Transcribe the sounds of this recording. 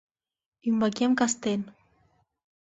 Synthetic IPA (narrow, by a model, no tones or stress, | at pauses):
ymbakemkast̪en